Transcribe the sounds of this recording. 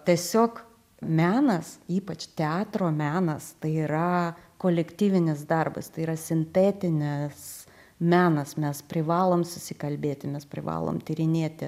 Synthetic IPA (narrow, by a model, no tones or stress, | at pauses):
t̪ʲiɛsʲoːk | mʲæːnɐsiːpɐt͡ʃt̪ʲɛɑːt̪ɾoːmʲæːnɐst̪ɐɪiːɾɐkoːlʲɛkt̪ʲiːʋʲɪnʲɪs̬d̪ɐrbɐ̰st̪ɐɪiːɾɐsʲɪnʲt̪ʲeːt̪ʲɪnʲɪs | mʲæːnɐsmʲɛspʲɾʲɪʋɑːlˠoːmsʊsʲɪkɐlʲbʲeːt̪ʲɪmʲɛspʲɾʲɪʋɑ̰ːlˠo̰ːmt̪ʲɪɾʲɪnʲeːt̪ʲɪ